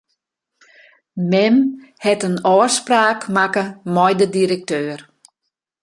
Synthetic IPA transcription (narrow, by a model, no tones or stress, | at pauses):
mɛmhɛtənɔːspraːkmakəmɔjdədiɾək̚tøːr